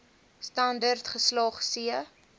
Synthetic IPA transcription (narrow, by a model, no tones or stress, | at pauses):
stɐndərtχəslɑːχsiə